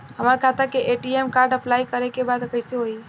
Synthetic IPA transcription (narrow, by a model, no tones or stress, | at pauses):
ɦəmaɾkʰat̪akeʔeʈiemkaɾɖəplaikəɾekebad̪kəɪseɦoi